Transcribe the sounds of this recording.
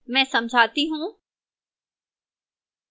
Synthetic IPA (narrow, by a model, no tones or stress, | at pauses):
mɛ̃ːsɐ̃md͡ʑʱaːt̪iɦũː